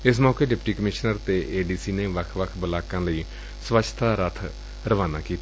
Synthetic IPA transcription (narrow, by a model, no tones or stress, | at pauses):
ɪs̬mɔːkeːɖɪpʈiːkəmɪʃnəɾt̪eːʔeːɖiːsiːneːʋəkʰʋəkʰbəlaːkãːləiː | sʋət͡ʃʰt̪aːɾət̪ʰ | ɾəʋaːnaːkiːt̪a